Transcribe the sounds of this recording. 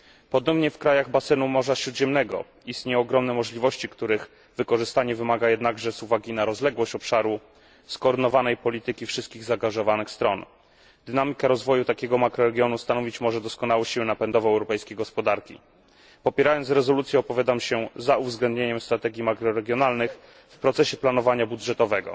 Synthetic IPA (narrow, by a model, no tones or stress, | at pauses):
pɔd̪ɔmɲɛfkɾajaɣbasɛnumɔʐaɕɾud̪ʑɛmnɛɡɔ̰ | ist̪ɲɛɔːɡɾɔmnɛmɔʐlʲivɔɕt͡ɕikt̪uɾɘx | vɘkɔʐɘst̪aɲɛvɘmaɡajɛd̪naɡʐɛzuvaɡʲinaɾɔzlɛɡwɔɕt͡ɕɔpʂaɾu | skɔːɾd̪ɘnɔvanɛjpɔlʲit̪ɘkʲifʂɘst̪̚kʲiɣzaːŋɡaʐɔvanɘxst̪ɾɔn | d̪̥ɘnamʲikaɾɔzvɔjut̪akʲɛɡɔmakɾɔɾɛɡʲjɔnust̪anɔvʲit͡ɕmɔʐɛd̪ɔskɔnawɛɕiwɘnapɛnd̪ɔvɛɛwɾɔpɛjskʲejɡɔspɔd̪aɾkʲḭ | pɔpʲjɛɾajɔnt̪sɾɛzɔlut̪sʲjɛɔpɔvʲjad̪amɕɛzauvzɡlɛnd̪ɲeɲɛmst̪ɾat̪ɛɡʲjimakɾɔɾɛɡʲjɔnalnɘx | fpɾɔt̪sɛɕɛplan̪ɔvaɲabud̪ʐɛt̪ɔvɛɡɔ̰